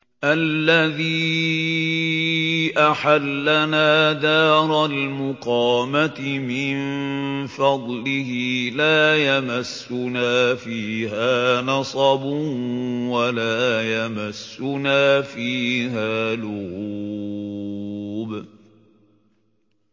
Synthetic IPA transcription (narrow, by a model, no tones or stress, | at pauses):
ʔalːaðiː | ʔaħalːanaːd̪aːɾˤɑlmʊqɑːmat̪ɪmɪnfɑd̪ˤlɪhiːlaːjamasːʊnaːfiːhaːnɑsˤɑbʊwalaːjamasːʊnaːfiːɦaːlʊhuː | b